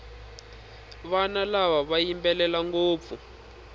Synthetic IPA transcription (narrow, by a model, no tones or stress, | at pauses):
βanalaβaβajimbɛlɛlaŋɡoːp̪fu